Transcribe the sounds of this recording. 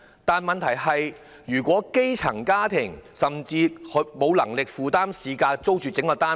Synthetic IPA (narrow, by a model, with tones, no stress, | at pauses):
t̪aː˨nmɐ˨nt̪ʰɐ˨˩jhɐ˨j | ɥyː˨˩kʷɔː˨˥ke˥jt͡sʰɐ˨˩ŋkaː˥t̪ʰɪ˨˩ŋsɐ˨mt͡siː˧hɵ˨˧mo˨˧wlɐ˨˩ŋlɪ˨k̚fuː˨t̪aː˥msiː˨˧kaː˧k̚t͡so˥wt͡ʃyː˨t͡sɪ˨˥ŋkɔː˧t̪aː˥